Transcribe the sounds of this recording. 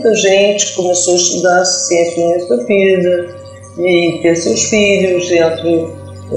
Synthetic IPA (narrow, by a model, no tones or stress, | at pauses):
t̪ɐʒẽnt͡ʃ̪kumɨsoɐʃt̪ud̪aɾssẽnt̪mẽsuɐviðɐ | it̪eɾsewʃfiʎuʃẽnt̪ɾɨ